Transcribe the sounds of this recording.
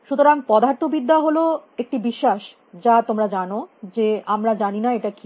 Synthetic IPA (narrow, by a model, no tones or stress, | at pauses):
ʃut̪oɾaŋpɔd̪ʱaɾt̪ʰobid̪ːaɦoloek̚ʈibiʃːaʃ | d͡ʑat̪omɾad͡ʑanod͡ʑeamɾad͡ʑaninaeʈaki